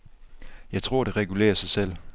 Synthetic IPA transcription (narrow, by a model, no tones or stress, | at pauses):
jɑ̈ɪt͡sʰʁo̝ɐ̰ɾ̥e̝ʁɛɡ̥ule̝̰ːɐsɑ̈ɪsel̰